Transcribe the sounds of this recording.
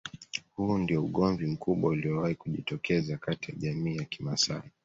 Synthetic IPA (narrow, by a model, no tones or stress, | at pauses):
hundiɔuɠɔɱvim̩kuɓwauliɔwahikuʄitɔkɛzakatijaʄamiːjaki̥masa̰i